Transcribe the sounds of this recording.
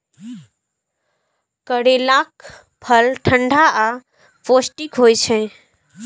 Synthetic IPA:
kəɽelak | pʰəlʈʰəɳɖʱaa | posʈikɦojt͡ʃʰɛ̃

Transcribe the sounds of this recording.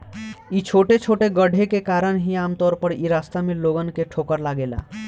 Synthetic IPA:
it͡ʃʰoʈet͡ʃʰoʈeɡəɽʱekekaɾənɦiamt̪ɔɾpəɾiɾast̪ameloɡənkeʈʰokəɾlaɡela̰

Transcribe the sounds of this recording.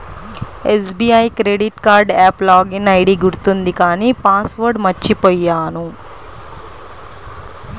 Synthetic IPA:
esbiːajkɾeːɖiʈkaːɾɖɛːplaːɡinɐjɽiɡuɾt̪und̪ikaːniːpaːsʋɐɾɖmɐt͡ʃːt͡ʃːipoːjːaːnu

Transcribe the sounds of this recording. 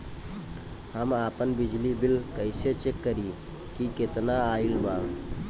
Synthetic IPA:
həmaːpənbid͡ʒlibilkəɪset͡ʃekːəɾi | kiket̪naailba

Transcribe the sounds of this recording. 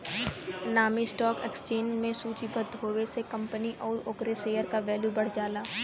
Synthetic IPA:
naːmisʈɔːkḛkst͡ʃẽːnd͡ʒmẽsuːt͡ʃibɐd̪ʱɦoːʋesekɐ̃mpəniʔɔːɾʊkɾeseːjəɾkaʋɛːljubɐɽ̤d͡ʒaːlaː

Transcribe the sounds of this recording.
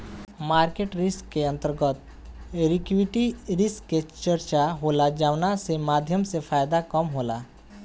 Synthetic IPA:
maːɾkeʈɾɪskːeə̃nt̪əɾɡət̪̚ | ɾɪkʋiʈiɾɪskːet͡ʃəɾt͡ʃaɦoːlad͡ʒaːʋnasemaːd̪ʱjəmsepʰaːjd̪akəmɦoːla

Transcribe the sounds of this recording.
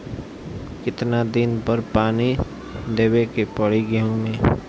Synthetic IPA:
kɪt̪nad̪ɪnpəɾpaːni | d̪eːwekepəɽ̤iɡeũmẽː

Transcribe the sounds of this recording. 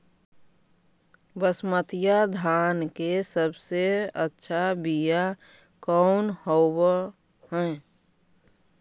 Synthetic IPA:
bəsmət̪ijad̪ʱaːnkesəbseətːʃʰabija | kɔʊnhow | ɦɛ̃

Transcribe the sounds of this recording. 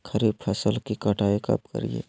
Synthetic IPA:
kʰəɾib̚pʰəsəlkikəʈʰaːikɐ̰p̚kə̰ɾiḛː

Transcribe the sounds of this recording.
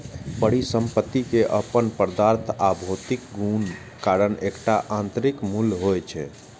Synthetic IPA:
pəɽisəmpət̪ːikeʔəpənpəɾd̪aɾt̪ʰabʱot̪ikɡun | kaɾənekʈaʔãnt̪ɾikmulɦojt͡ʃʰɛ̰

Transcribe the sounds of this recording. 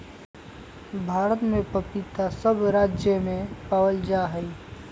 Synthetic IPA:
bʱaːɾət̪mẽpəpit̪asəbɾaːd͡ʒjəmẽpaːwəld͡ʒaːɦəi

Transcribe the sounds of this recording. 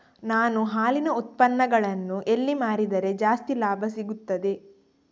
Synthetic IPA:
naːnuɦaːlinɐut̪̚pɐnːɐɡɐɭɐnːuʔe̞lːimaːɾid̪ɐɾe̞d͡ʒaːst̪ilaːbʱɐsiɡut̪ːɐd̪e̞

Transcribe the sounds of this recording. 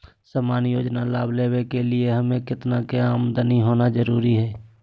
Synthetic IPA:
səːmaːnjoːd͡ʒnalaːbleːwekelɪeɦəmẽkɪt̪nakeaːmd̪əniɦoːnad͡ʒəɾuːɾiɦɛː

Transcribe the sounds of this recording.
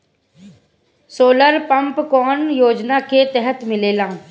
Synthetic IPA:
soːləɾpə̃mpkɔːnjoːd͡ʒnaket̪əɦət̪mɪleːlãː

